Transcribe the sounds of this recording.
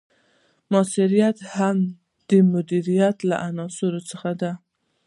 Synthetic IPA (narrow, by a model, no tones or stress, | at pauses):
mɑsɪɾijat̪ham | d̪̥əmʊd̪iɾijat̪la̰ʔanɑsʊɾot͡səxad̪a